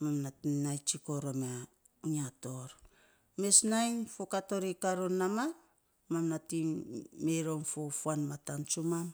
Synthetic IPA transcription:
mamnatinajt͡ʃiko̞ɾo̞ma | uɲiato̞ɾ | me̞snajnfokato̞ɾikaɾonːama | mamnatimeɾo̞mfofuanmatant͡ʃumam

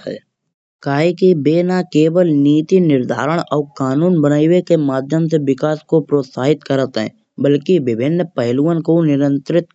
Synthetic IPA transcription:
ɛ̰ | kaːikibeːnakeːwəlniːt̪inɪɾd̪ʱaːɾəɽ̃ɔːkaːnuːnbənaːiwekemaːd̪ʱjəmseʋɪkaːskopɾoːt̪saːɦɪt̪kəɾət̪ɦɛ̰̃ː | bəlkibɪbʱɪnːpəɦɪluːənkonɪɾə̃nt̪ɾɪt̪

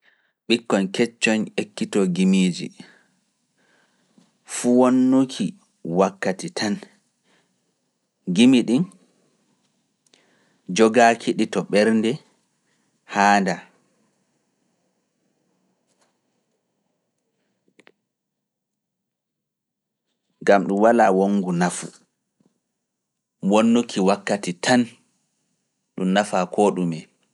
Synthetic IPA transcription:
ɓikːɔnkɛt͡ʃːɔnekːitɔɡimiːd͡ʒḭ | fuwonːukʰi | wakːatitʰan | ɡimiɗin | d͡ʒɔɡakʰiɗitɔɓɛɾndɛ | haːnda | ŋɡamɗumwalaːwoŋɡunafṵ | wonːukʰiwakːatitʰan | ɗumnafakʰɔɗumɛ

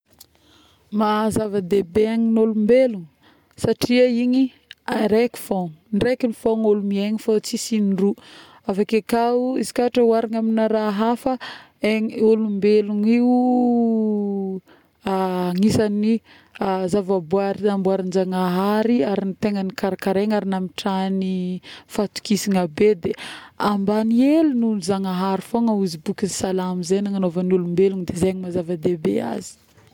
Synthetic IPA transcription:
mazavad̪ebeaŋinolumbeluŋ | saʈ͡ʂiəiɲi | aɾeki̥fonrekinifoŋolumieŋifat͡sisiniru | avakakauizi̥kaʈ͡ʂəwaɾaŋaminaɾaɦafə | eŋolumbeluŋiu | ŋisani | azavabuaɾiambuaɾinizaŋaɦaɾiaɾinit̪eŋənikaɾakaɾeŋaɾinamiʈ͡ʂanifat̪u̥kisiŋabed̪eambanielunuzaŋaɦaɾifoŋəuzibukizisalamizenaŋanovanulumbeluŋd̪ezeɲimazavad̪ebḛa̰zi̥

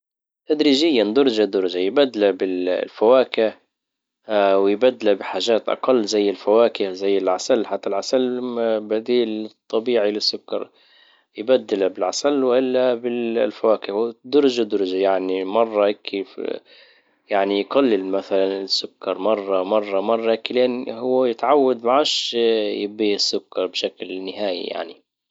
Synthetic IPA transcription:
t̪ad̪ɾiːʒɪjːand̪ʊɾˤd͡ʒad̪ʊɾˤd͡ʒajbad̪ːalabɪllfawaːkɪʕ | wɪjbad̪ːɪlabɪħaːʒaːt̪ʔɑ̰qɑlːzajːɪlfawaːkɪhzajːɪlʕasalːħat̪ːalʕasalbad̪iːlt̪ˤːɑbiːʕilɪsːʊkːɑ̰ɾˤ | jbad̪ːɪlabɪlʕasalːwʔɪlːabɪllfawaːkɪwd̪ʊɾˤd͡ʒad̪ʊɾˤd͡ʒajaʕnimɑrˤːɑʔɪkʰḭ | jaʕnijɡalːɪlmaθalanɪsːʊkːɑɾˤmɑrˤːɑmɑrˤːɑmɑrˤːɑʔɪkːilʔanhʊwːajɪt̪ʕawːad̪maʕaʃjɪbiːɪsːʊkːɑɾˤbʃaklnːɪhaːjḭja̰ʕnḭ

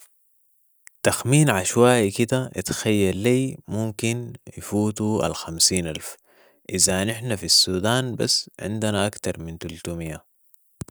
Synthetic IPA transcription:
t̪axmiːnʕaʃwaːjkid̪aʔḭt̪xajːalːiːmumkinjifuːt̪ua̰lxamsiːnʔalf | ʔɪzanɪħnafisːuːd̪aːnba̰sːʕɪ̰nd̪anaʔakt̪ɑɾˤmint̪ult̪umijːa

